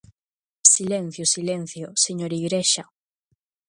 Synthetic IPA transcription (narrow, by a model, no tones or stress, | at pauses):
silen̟θjʊsilɛn̟θjʊseɲoɾiɣɾeʃa